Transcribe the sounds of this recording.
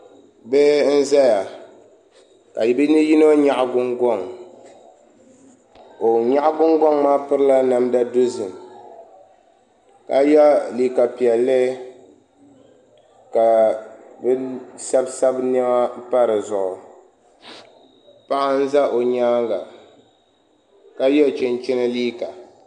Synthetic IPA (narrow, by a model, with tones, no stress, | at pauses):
bɛ˦n̩˦za˦ja˨ | ka˨ji˨bi˦nɨ˦ji˦no˦ɲa˦ʔɡʊ˦ŋɡɔ˦ŋ | o˨ɲa˦ʔɡʊ˦ŋɡɔ˦ŋmaː˦pɨ˦ɾɨ˦la˦na˨mda˦dʊ˦zɨ˨m | ka˨˦ja˦li˨ka˨pi˨ɛ˨lːɨ˦ | ka˨bɛ˦sa˦bsa˦bnɛ˦ma˦pa˦ɾɨ˨zʊ˨ʔʊ˨ | pa˦ʔa˦n̩˦za˦ʔo˨ɲaː˦ŋɡa˨ | ka˦jɛ˦˨t͡ʃɪ˨nt͡ʃɪ˦nɨ˦liː˦ka˨